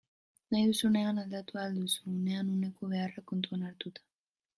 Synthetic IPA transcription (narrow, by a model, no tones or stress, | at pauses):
najusuneanald̪at̪uald̪usuneanunekoβearakont̪uanaɾt̪ut̪ḁ